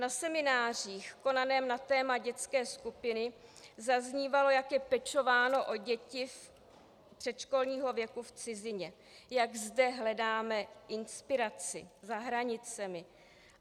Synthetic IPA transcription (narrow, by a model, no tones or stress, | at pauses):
nasɛmɪnaːr̝iːxko̞nanɛːmnat̪ɛːmaɟɛt͡skɛːskupɪnɪzazɲiːvalo̞jakjɛpɛt͡ʃo̞vaːno̞ʔo̞ɟɛcɪf | pr̥ɛt̪ʃko̞lɲiːɦo̞vjɛkuft͡sɪzɪɲɛ | jaɡzdɛɦlɛdaːmɛʔɪnspɪɾat͡sɪ̰zaɦɾaɲɪt͡sɛmɪ